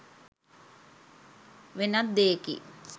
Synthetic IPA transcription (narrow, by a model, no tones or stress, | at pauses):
ʋenat̪d̪eːkḭ